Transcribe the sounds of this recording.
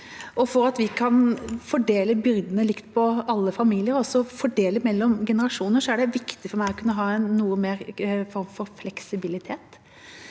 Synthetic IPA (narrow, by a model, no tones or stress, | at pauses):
ʔɔfɔɾɑt̪ʋɪkʰɑnfɔɖeːləbʏɾd̪ənəlɪkt̪pʰɔɑlːəfɑmiːlɪəɾɔsːɔfɔɖeːləmɛlːɔmɡɛnəɾɑʂuːnəɾʂɔæɖɛʋɪkt̪ɪfɔɾmæɪɔkʰʉnːəɦɑːɛɪnːuːəmeːɾfɔɾmfɔɾflɛksɪbɪlɪt̪ʰeːt̪